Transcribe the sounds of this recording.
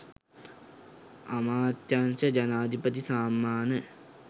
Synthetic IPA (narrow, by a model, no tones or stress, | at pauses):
amaːt̪jansəd͡ʒanaːd̪ʱipət̪isaːmːaːnə